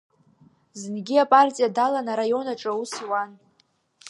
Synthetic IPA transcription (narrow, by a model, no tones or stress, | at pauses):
zɨnɡʲiapʼartʼijadalanaɾajo̞naʈ͡ʂʼausiwan